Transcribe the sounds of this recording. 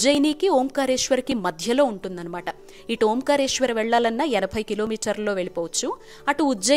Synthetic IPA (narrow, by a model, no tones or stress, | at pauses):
d͡ʒɐjniːkioːmkaːɾe̞ːʂʋɐɾikimɐd̪ʱjɐlo̞ːuɳʈund̪ɐnɐmaːʈɐ | iʈuoːmkaːɾeːʂʋɐɾʋɛɭːaːlɐnːɐɛnɐbʱɐjkilo̞ːmiːʈɐɾllo̞ːʋe̞ɭipoːʋɐt͡ʃːu | ɐʈuːd͡ʒɐ